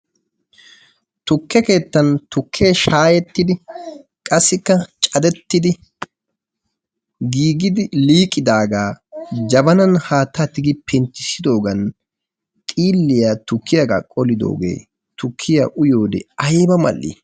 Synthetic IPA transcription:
t̪ʊkːɛke̞ːt̪ːɐnt̪ʊkʰːeːʃaːjɛt̪ːɪd̪ɪ | kʼɐsːɪkːɐt͡ʃʼɐd̪ɛt̪ːɪd̪ɪ | ɡiːɡɪd̪ɪliːkʼːɪd̪aːɡaːd͡ʒɐbɐnɐnhaːt̪ːat̪ɪɡɪpʰɛnt͡ʃ̪ːɪsɪd̪o̞ːɡɐn | t̪ʼiːlːɪjaːt̪ʊkʰːɪjaɡa̰ːkʼɔlɪd̪o̞̰ːɡḛː | t̪ʊkʰːɪjaʔʊjo̞ːd̪ɛ̰ɐjbɐmɐ̰lːḭ

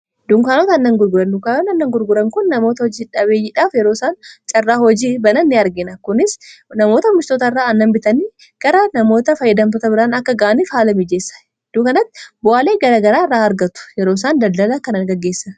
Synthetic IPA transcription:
d̪ʊŋkaːnoːt̪ɐnːɐŋɡʊɾɡʊɾɐndʊkaːnonɐnːɐŋɡʊɾɡʊɾɐŋkʊnːɐmo̞ːt̪ɐhɔd͡ʒiːᶑɐβeːjɪᶑaːfjɛɾoːsaːnt͡ʃʼɐrːaːhɔd͡ʒiːbɐnɐnːɪɐɾɡɪnɐkʊnɪsnɐmo̞ːt̪ɐmɪst̪oːt̪ɐɪrːaːɐnːɐmbɪt̪ɐniː | ɡ̥ɐɾɐnɐmo̞ːt̪ɐfɐjːɐd̪ɐmfɐt̪ɐbɪɾaːnɐkːɐɡaːʔɐnɪfhaːlɐmid͡ʒeːsːɐ̥ | d̪̥uːkɐnɐt̪ːɪ̥bʊʔaːleːɡɐɾaːɡɐɾaːɪrːaːɐɾɡɐt̪ʊ̥jɛɾo̞ːs̬aːnd̪ɐld̪ɐlɐkɐnɐŋɡɐɡːe̞ːsːɐn

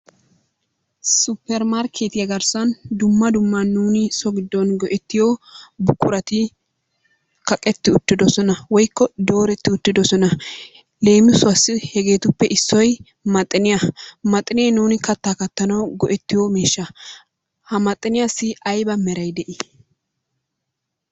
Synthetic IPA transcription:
sʊpːɛɾmaɾkʰet̪ɪjɐɡɐɾsɐnd̪ʊmːɐd̪ʊmːɐnːuːnɪsɔɡɪd̪ːɔnɡɔʔɛt̪ːɪjobʊkːʊɾɐt̪ɪ | kɐkʼɛt̪ːɪʊt̪ːɪd̪ɔsɔnɐwɔjkːɔd̪o̞ːɾɛt̪ːɪʊt̪ːɪd̪ɔsɔnɐ | le̞ːmɪsʊɐsːɪhɛɡe̞ːt̪ʊpːɛʔɪsːɔj | mɐt̪ʼːɪnɪjɐmɐt̪ʼːɪnɛnuːnɪkɐt̪ːaːkɐt̪ːɐnɐwɡɔʔɛt̪ːɪjomeːʃːɐ | hɐmɐt̪ʼːɪnɪjasːɪɐjbɐmɛɾɐjd̪ɛʔɪ

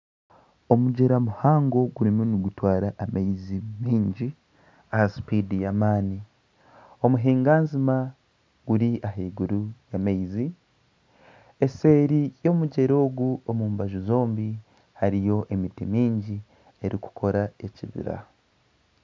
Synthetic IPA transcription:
omuɟeɾamuhaːŋɡo̞ɡuɾimuniɡutwaːɾaʔːmaizimiːɲɟi | ahasi̥pidijamaːni | o̞muɦiːŋɡaːnzima | ɡ̥uɾiʔaɦeːɡuɾujamaizi | ese̞ːɾijo̞ːmuɟe̞ɾo̞ːɡuomuːmbaʒuzo̞ːmbi | haɾijo̞ʔemitimiːɲɟi | e̞ɾiku̥kʰo̞ɾae̞ciβḭɾa̰

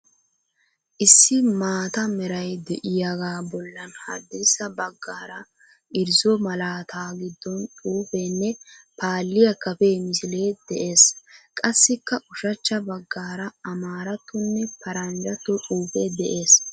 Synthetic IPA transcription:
ʔɪsːɪmaːt̪ɐmɛɾɐjd̪ɛʔɪjaɡaːbɔlːɐnhɐ̰d̪ːɪsːɐbɐɡːaːɾɐ | ʔɪɾzɔmɐlaːt̪ʰaːɡɪd̪ːɔnt͡sʼuːfenːɛpaːlːɪjɐkːɐfemɪsɪleːd̪̥ɛʔe̞ːskʼɐsːɪkːɐʔʊʃɐt͡ʃːɐbɐɡːaːɾɐɐmaːɾɐt̪ːʊnːɛpɐɾɐnd͡ʒɐt̪ːʊt͡sʼuːfed̪ɛʔe̞ːs

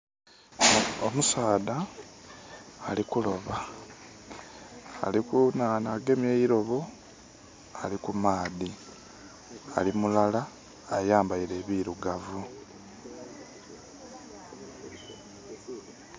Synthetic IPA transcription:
omusaːða | likulo̞βa | likunaːnaːɡe̞meiɾo̞βo | a̰likumaːði | a̰limulalaː | jaːmbaiɾe̞ːβiːɾuɡavu

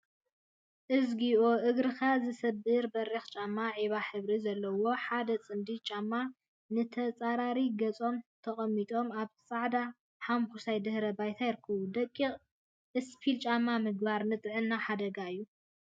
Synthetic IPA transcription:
ʔɨzɡiʔoʔɨɡɾɨxazɨsɐbɨɾbɐrːixt͡ʃʼamːaʕiβaħɨβɾizɐlːɐwo̞ħad̪ɐt͡sʼɨnd̪it͡ʃʼamːa | nɨt̪ʰɐt͡sʼaɾaɾiɡɐt͡sʼo̞mt̪ʰɐχʼɐmːit̪ʼo̞maβsʼaʕd̪a | ħamkusajd̪ɨhɾɐbajt̪ʰajɪɾɨkʰːɐβud̪ɐkʼːiχʼ | ʔɨspʰilt͡ʃʼamːamɨɡbaɾnɨt̪ʼʕɨnːaħad̪ɐɡaɨjːu

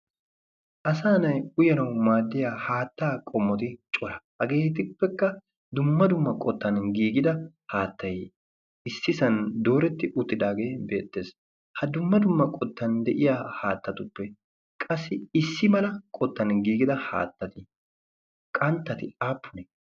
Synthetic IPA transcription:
ʔɐs̬aːnɐjʊjɐnɐwmaːd̪ːɪjaːhaːt̪ːaːkʼɔmːɔt̪ɪt͡ʃʼɔɾɐhɐɡe̞ːt̪ɪpːɛkːɐ | d̪ʊmːɐd̪ʊmːɐkʼɔt̪ːɐnɡiːɡɪd̪ɐ | haːt̪ːɐj | ɪsːɪsɐnd̪o̞ːɾɛt̪ːɪʔʊt̪ːɪd̪aːɡe̞ːbe̞ːt̪ːe̞ːs | hɐd̪ʊmːɐd̪ʊmːɐkʼɔt̪ːɐnd̪ɛʔɪjaːhaːt̪ːɐt̪ʊpːɛ | kʼɐsːɪɪsːɪmɐlɐkʼɔt̪ːɐnɡiːɡɪd̪ɐha̰ːt̪ːɐt̪ɪ | kʼɐnt̪ːɐt̪ɪaːpːʊnɛ

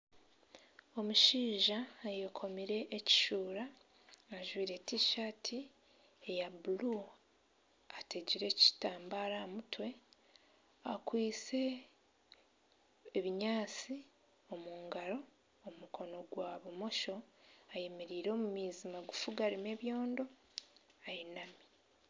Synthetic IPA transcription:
o̞muʃiːʒaːjokʰo̞miɾe̞ʔːci̥ʃuːɾaː | ʒwiːɾe̞tiːʃatʰi | ejabulu | ate̞ɟiɾe̞ci̥taːmbaɾamutwe̞ | akwiːt͡se̞ | βiɲaːt͡si | o̞muːŋɡaɾo̞ | omukʰo̞no̞ɡwaːβumo̞ʃo̞aje̞meɾiːɾo̞ːmumiːzimaɡufuɡaɾime̞ːβjo̞ːndo̞ | ajinami

